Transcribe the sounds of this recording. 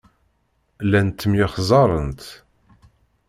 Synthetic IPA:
lænt̪ːəmjɪχzˤɑɾˤənt̪

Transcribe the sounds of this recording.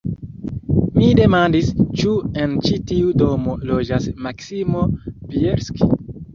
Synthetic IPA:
mide̞mandist͡ʃuent͡ʃitiudomolod͡ʒasmaksimo̞pieɾski

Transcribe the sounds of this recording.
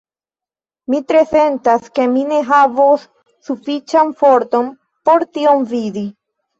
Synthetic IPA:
mitɾe̞se̞ntaske̞mine̞ɦavosː | ufit͡ʃanfo̞ɾt̪o̞n | po̞ɾtiomvidi

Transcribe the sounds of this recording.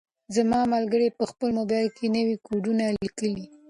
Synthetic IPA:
zamɑmalɡəɽepəxpəlmobɑjlkʰenəwikoɖunalikəli

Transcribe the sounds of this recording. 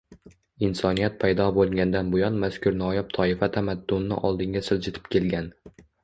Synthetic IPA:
ɪnsɒnijat̪̚pʰajd̪ɒbolˠɡʲand̪anbʊjɒnmaskʰʊɾnɒjap̚t̪ʰɒɪfat̪ʰamad̪ːʊnːɪ̰ʔɒ̰lˠd̪ɪŋɡʲasɪld͡ʒɪt̪ʰɪ̥p̚kʲʰe̞lɡʲan

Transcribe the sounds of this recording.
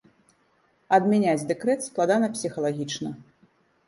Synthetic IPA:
ɐd̪mʲɛnʲad͡zʲd̪ɛkɾɛt̪splˠad̪anɐpsʲixɐlˠaɣʲit͡ʂnɐ

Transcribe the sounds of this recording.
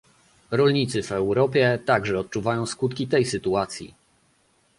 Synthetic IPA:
ɾɔlɲit̪sɘvɛwɾɔpʲjɛt̪aɡʐɛɔt̪̚t͡ʂuvajɔ̃w̃skut̪kʲit̪ɛjsɘt̪uat̪sʲjḭ

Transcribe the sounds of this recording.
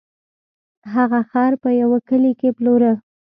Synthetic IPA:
ɦaɣaxɑɾpəjawakəlikeploɾə

